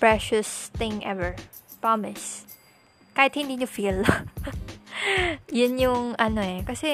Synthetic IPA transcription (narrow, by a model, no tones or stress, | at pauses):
pɹɛʃʊst̪ɪ̃ŋʔɛvəɹ | pɹamɪs | kaːjɪt̪hɪnd̪inʊfil | jʊnjʊŋɐnoɛkɐsɛ